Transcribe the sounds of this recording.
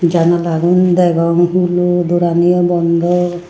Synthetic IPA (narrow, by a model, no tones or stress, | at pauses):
d͡ʒanɔlaɡund̪ɛɡɔŋɦulud̪uɾanijɔbɔnd̪ʱɔ